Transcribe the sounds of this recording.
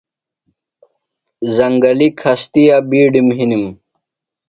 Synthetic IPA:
zɐŋɡɐlikʰɐst̪ijaːbiːɖimɦinim

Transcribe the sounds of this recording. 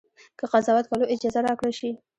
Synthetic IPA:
kəqazɑwat̪̚kaloʔɪd͡ʒɑzaɾɑkɽəlʃi

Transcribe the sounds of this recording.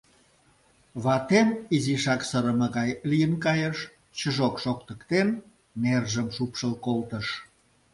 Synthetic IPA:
βɑt̪emiziʃɑksəɾəməɣɑjlijənkɑjəʃ | t͡ɕəʒokʃokt̪ə̆kt̪en | nerʒəmʃupʃəlkolt̪ə̆ʃ

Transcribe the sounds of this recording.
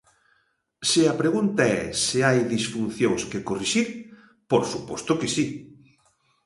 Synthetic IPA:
sɪɐpɾeɣunt̪aɛ̰sɪajðisfun̟θjoŋskekoriʃiɾ | poɾsupɔst̪ʊkesi

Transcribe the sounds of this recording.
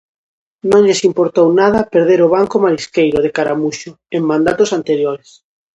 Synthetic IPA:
nõŋʎesimpoɾt̪ownað̞ɐpeɾð̞eɾoβ̞aŋkomaɾiskejɾoðekaɾamuʃʊ | eŋmãnd̪at̪osant̪eɾjoɾes

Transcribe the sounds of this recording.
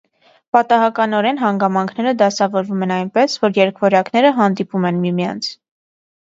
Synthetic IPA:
pɑt̪ɑɦɑkɑnɔɾɛnɦɑŋɡɑmɑŋkʰnɛɾəd̪ɑsɑvɔɾvumɛnɑjnpɛsvɔɾjɛɾkʰvɔɾɑknɛɾəɦɑnd̪ipumɛnmimijɑ̰nt͡sʰ

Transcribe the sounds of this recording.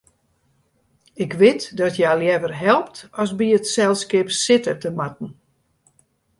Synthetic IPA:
ɪkʋɪtdɔtʰjaljɛvərɦɛlˠp̚tɔsbiətsɛlˠskɪpsɪtətəmat̚n̩

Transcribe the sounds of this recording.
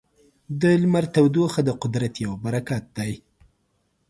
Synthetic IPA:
d̪əlmaɾt̪awd̪oxad̪əqʊd̪ɾat̪jawbaɾakat̪̚d̪aj

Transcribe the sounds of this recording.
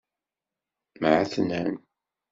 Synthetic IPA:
mʕaθənæn

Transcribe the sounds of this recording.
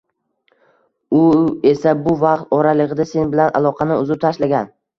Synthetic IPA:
ʊe̞sabʊvɑqt̪̚ɒɾalɪʁɨd̪ase̞nbɪlana̰lˠɒqʰɑnɪʊzɪp̚t̪ʰaʃlaɡʲan

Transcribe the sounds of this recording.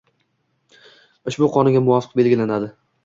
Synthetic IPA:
ʊʃbʊqʰɒnɪɡʲamʊvɒfɨ̥q̚be̞lɡʲɪlanad̪ɪ

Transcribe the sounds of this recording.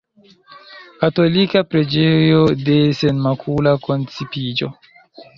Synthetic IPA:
kato̞likapɾe̞d͡ʒejo̞de̞se̞nmakʰulako̞nt͡sipid͡ʒo̞̰

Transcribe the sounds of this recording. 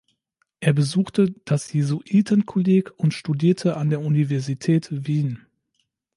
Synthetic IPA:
ʔeːɐbəzuːxtəd̥asjezoʔiːtʰənkʰɔleːkʊntʃtudiːɐtʰəʔandeːɐʔunivɛɐzitʰɛːtviːn

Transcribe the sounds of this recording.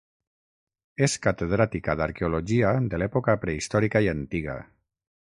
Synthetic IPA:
eskat̪eð̞ɾat̪ikaðaɾkeuloʒiaðelɛpokapɾeist̪ɔɾikaiant̪iɣa̰

